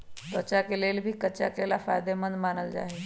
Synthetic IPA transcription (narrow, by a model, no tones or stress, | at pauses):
t̪ət͡ɕakelelbʱiːkət͡ɕa̰kelafa̰jd̪emənd̪manəld͡ʑa̰ɦe